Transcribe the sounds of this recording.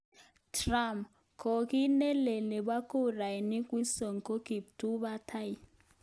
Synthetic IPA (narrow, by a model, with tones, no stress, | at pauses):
tʰra˦˨m | kʰo˨ki˦nɛ˦lɛ˨lɛ˨ɓa˦ku˦ra˨ni˦kʼwi˦sɔ˨ŋ˨kʼo˦ki˨b̚tʰu˦βa˦tʰa˦i˦